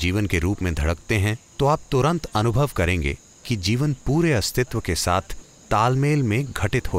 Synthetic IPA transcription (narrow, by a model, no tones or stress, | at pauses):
d͡ʒiːʋənkeɾuːpmẽd̪ʱɐɽəkt̪eɦɛ̃t̪oaːp̚t̪ʊɾə̃nt̪ɐnʊbʱəʋkɐɾẽːŋɡḛ | kid͡ʒiːʋənpuːɾeɐst̪ʰɪt̪ʋəkesa̰ːt̪ʰ | t̪aːlmeːlmẽɡʱɐʈɪt̪ɦo